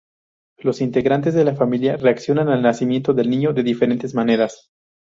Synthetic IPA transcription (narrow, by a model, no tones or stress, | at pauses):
lo̞sint̪e̞ɣɾant̪e̞zðe̞lafamiljare̞aksjo̞nanalnasimje̞nt̪oðe̞lnĩɲo̞ðe̞ðife̞ɾe̞nt̪ezmane̞ɾas